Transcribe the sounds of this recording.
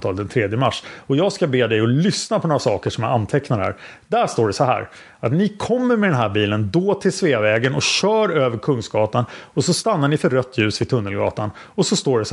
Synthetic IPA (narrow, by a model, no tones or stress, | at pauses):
t̪ʰɑːld̪ɛnt̪ʰɾeːd̪jəmaʂːɔjɑːɡskabeːd̪ɛjɔlʏsnapʰɔnoːɾasɑːkəʂɔmja̰ant̪ʰɛknad̪əæ̰ɾd̪æʂt̪oːɖɛsɔɦæ̰ːɾ | at̪nɪkʰɔmːəɾmɛd̪ɛnɦæːɾbiːlənd̪oːt̪ʰɪlsveːvɛːɡənɔɕœːɾøːvəɾkʰɵŋsɡɑːt̪anɔsɔst̪anːaɳɪfœɾɾœt̪ʰːjʉ̟ːsvɪt̪ʰɵnːəlɡɑ̰ːt̪an | ɔsɔst̪oːɖɛs